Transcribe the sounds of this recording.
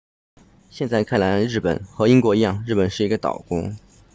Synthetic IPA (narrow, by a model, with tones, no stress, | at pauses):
ɕjɛ˥˧nt͡sa˥˧ɪkʰa˥˩nla˧˥nɻɻ̩˥˩pə̰˨˩˦nxɤ˧˥i˥ŋkwɔ˧˥i˧˥jɑ˥˧ŋɻ̩˥˩pə˨˩nʂɻ̩˥˩i˧˥ɡə˧t̪ɑ̰˨˩ʊkʊ̰˥ŋ